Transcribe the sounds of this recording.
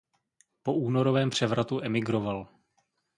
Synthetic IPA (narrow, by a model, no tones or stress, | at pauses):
po̞uːno̞ɾo̞vɛːmpr̝̥ɛvɾʔat̪uʔɛmɪɡɾo̞val